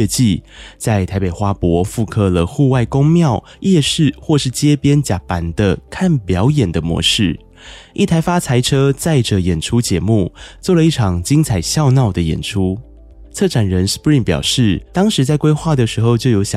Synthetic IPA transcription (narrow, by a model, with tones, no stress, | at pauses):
t͡ɕi˥˨t͡sa˥˩ɪt̪ʰa˧˥ɪpe˨˩ɪxwa˥pwɔ˧˥˦fu˥˧kʰɤ˥˧lə˨xu˥˧wa˥˩ɪko˥ŋmjɑ˥˧ʊ | jɛ˥˧ʂɻ̩˥˧˨xwɔ˥˧ʂɻ̩˥˩t͡ɕjɛ˥pjɛ˥nt͡ɕja˨˩pa˧˥nd̪ə˧kʰa˥˩npjɑ˨˧˦ʊjɛ˨˩nd̪ə˦mwɔ̰˧˥ʂɻ̩˥˩ | ʔḭ˥˩t̪ʰa˧˥ɪfa˥t͡sʰa˧˥ɪʈ͡ʂʰɤ˥t͡sa˥˩ɪʈ͡ʂə˨jɛ˨˩nʈ͡ʂʰu˥t͡ɕjɛ˧˥mu˥˧t͡swɔ˥˩lə˩i˥˩ʈ͡ʂʰɑ˨˩ŋt͡ɕi˥ŋt͡sʰa˨˩ɪɕjɑ˥˧ʊnɑ˥˩ʊd̪ə˩jɛ̰˨˩nʈ͡ʂʰu˥ | t͡sʰɤ˥˩ʈ͡ʂʰa˨˩nɻə˧˦nspɹi˥˩ŋpjɑ̰˨˩ʊʂɻ̩˥˩t̪ɑ˥ŋʂɻ̩˧˥t͡sa˥˩ɪkwe˥ɪxwa˥˩d̪ə˩ʂɻ̩˧˥xo˧ʊt͡ɕjo˥˩ʊjo˧˥ʊɕ